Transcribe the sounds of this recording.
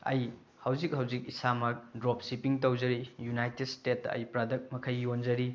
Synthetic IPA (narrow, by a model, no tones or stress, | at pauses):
ɐ̰j | hɐwzik̚hɐwzik̚isamɐdɾop̚sipiŋtɐwzɐɾijunajted̚stet̚ːɐɐ̰jpɾadɐk̚mɐkʰɐjːond͡ʒɐɾi